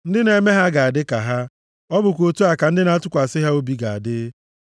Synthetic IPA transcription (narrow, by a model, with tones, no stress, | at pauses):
n̩˦dɪ˦ne˨me˦ɦa˦ɡa˨a˨dɪ˦ka˨ɦa˦ | ɔ˦bʊ˨kʷo˨tu˦a˨ka˨n̩˦dɪ˦na˦tʊ˦kʷa˨sɪ˦ɦa˦o˦bi˦ɡa˨a̰˨dɪ˦